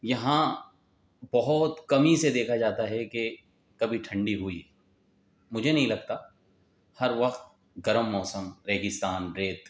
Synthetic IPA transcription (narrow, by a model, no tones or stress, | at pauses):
jɐɦã | bɐɦʊt̪kɐmised̪eːkʰad͡ʒaːt̪aɦɛke | kɐbʱiʈʰɐ̃ɳɖiɦʊi | mʊd͡ʒʱenɐɦĩlɐɡ̚t̪a | hɐɾʋɐqt̪̚ | ɡɐɾəmːɔːsəmɾeːɡɪst̪aːnɾeːt̪